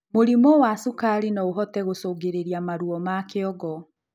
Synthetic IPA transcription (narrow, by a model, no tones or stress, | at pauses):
moɾimɔwasukaɾinaoɦɔtɛɣosoːɡeɾeɾiamaɾuɔmakeɔɡɔ